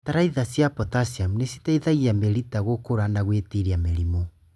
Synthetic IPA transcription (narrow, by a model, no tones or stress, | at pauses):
taɾaiðasjapɔtasiamnesitaiðaɣiameɾitaɣokoɾanaɣwetiɾiameɾimɔ